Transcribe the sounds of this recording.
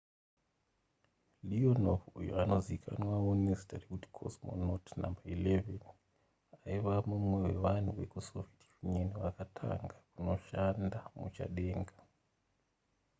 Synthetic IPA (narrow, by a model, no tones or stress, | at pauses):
lionofujo̰ano̞zikʰa̰nwaonestarikuti̥kʰo̰smo̰notna̰mbaileven | aiʋamumwewe̞ʋan̤uʋe̞kusovetijunoniʋakatʰa̰ŋɡakuno̞ʃandamut͡ʃa̰ɗe̞ːŋɡa